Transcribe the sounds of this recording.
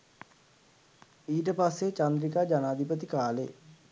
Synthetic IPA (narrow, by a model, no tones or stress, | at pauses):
iːʈ̬əpasːet͡ʃand̪ɾikad͡ʒanaːd̪ʱipət̪̬ikaːlḛ